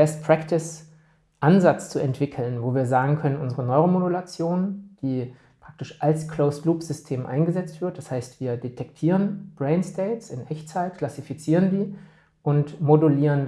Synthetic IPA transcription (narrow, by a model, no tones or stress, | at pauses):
bɛst̚pʁ̥aktɪs | ʔanzat͡st͡suɛntv̥ɪkʰl̩nvoːviːɐzaːɡŋ̩kʰœnənʊnzəʁənɔʏʁomodulat͡sjoːnd̥iː | pʁ̥ak̚tɪʃʔalskloʊsluːpz̥ʏstʰeːmʔa̰ɪnɡəzɛt͡stv̥ɪɐt̚d̥ashaɪstv̥iːɐdetʰɛktʰiːʁənb̥ʁɛɪnstɛɪtsɪnʔɛçt͡saɪt̚kʰl̥asifit͡siːʁ̞əndiː | ʔʊntmoduliːʁən